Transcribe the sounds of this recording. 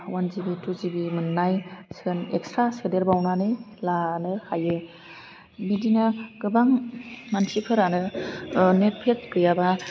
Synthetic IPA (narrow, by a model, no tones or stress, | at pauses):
wanzibituzibimɯnːajsɯnekstɾasɯdeɾbawnanɯlanɯhʰajɯ | midinɯɡɯbaŋmansipʰɯɾanɯ | net̚pʰetkɾijaba